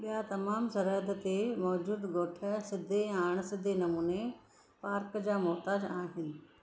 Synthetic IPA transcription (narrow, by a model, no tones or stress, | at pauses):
ɓijat̪ɐmaːmsɐɾɦəd̪t̪emɔːd͡ʑuːd̪ɡoːʈʰəsɪd̪ʱeaːɽ̃sɪd̪ʱenɐmuːne | paːɾkd͡ʑaːmɔːt̪aːd͡ʑaːɦɪnɪ̆